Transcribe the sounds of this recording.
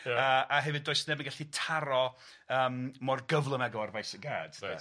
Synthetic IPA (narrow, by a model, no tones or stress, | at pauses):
əaɦɛvɨdoːɨsnɛbmənɡaɬitʰaɾɔ | əːmmɔrɡəvlˠəmɛɡɔarvajsəɡa̰ːd̥